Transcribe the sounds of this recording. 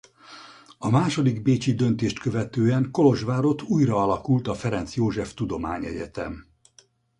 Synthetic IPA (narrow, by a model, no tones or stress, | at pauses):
ɒmaːʃo̞d̪iɡbeːt͡ʃid̪ø̞nt̪eːʃt̪kø̞vɛt̪øːɛŋko̞lo̞ʒʋaːɾo̞t̪uːjrɒɒlɒkult̪ɒfɛɾɛnt̪sjoːʒɛft̪ud̪o̞ma̰ːɲɛ̰ɟɛt̪ɛ̰m